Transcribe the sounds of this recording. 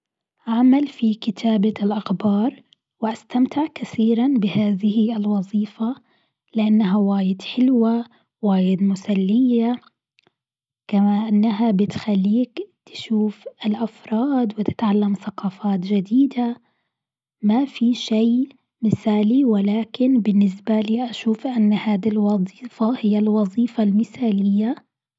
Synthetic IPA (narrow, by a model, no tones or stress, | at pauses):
ʔaʕmalfikɪt̪ʰaːbalʔaxbɑːɾˤ | wɪʔast̪amt̪ɪʕkaθiːɾanbɪhaːðɪhɪɪlwɑðˤiːfa | lɪʔanːaɦawaːjɪd̪ħɪlwa | waːjɪd̪mʊsalːɪjːa | kamaʔɪnːaɦabɪt̪xalːiːkt̪ɪ̥ʃuːfɪlʔafɾˤɑːd̪wɪt̪ɪ̥t̪ʕalːamθaqɑːfaːt̪ʒɪd̪iːd̪a | mafiʃej | mɪθaːliwɪlaːkɪnbɪnːɪsbaliːʔaʃuːfʔanːhaːd̪ilwɑzˤiːfɑhɪjːalwɑzˤiːfɑlmɪθaːlɪjːa